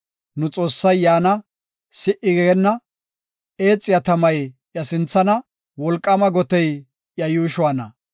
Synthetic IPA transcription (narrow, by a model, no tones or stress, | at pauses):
nʊt͡sʼo̞ːsːɐjːaːnɐ | sɪʔɪɡɛɛnːɐ | ʔe̞ːt͡sʼːɪjɐt̪ɐmɐjʔjɐsɪnt͡sːɐnɐ | wɔlkʼːɐmɐɡɔt̪ɛj | ʔjɐjuːʃʊwanɐ̰